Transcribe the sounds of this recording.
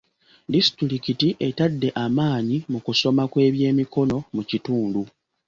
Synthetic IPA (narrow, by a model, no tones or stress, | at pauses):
distɾikitiʔe̞tadːe̞ʔamaːɲimukuso̞makwe̞ːβje̞ːmiko̞no̞mucituːndu